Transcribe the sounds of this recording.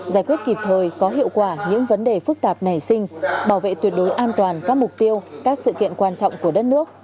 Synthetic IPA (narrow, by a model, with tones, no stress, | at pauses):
zaː˧˩jkwi˦˥ət̚ki˨˩p̚t̪ʰəː˨˩jkɔ˨˦ɦḭ˧˨əwkwaː˧˩ɲɨ̰˧˥ŋvə˨˦nɗe˨˩fɨ˦˥k̚t̪aː˨˩p̚na˨˩jsï˧ŋ̟ɓaː˧˩wvḛ˧˨t̪wi˨˩t̚ɗo˨˦jʔaː˧nt̪waː˨˩nkaː˦˥k̚mʊ˨˩k͡p̚t̪i˧əwkaː˦˥k̚sɨ̰˧˨kḭ˧˨ənkwaː˧nt͡ɕɔ̰˧˨wŋ͡mku˧˩əɗə˦˥t̚nɨ˦˥ək̚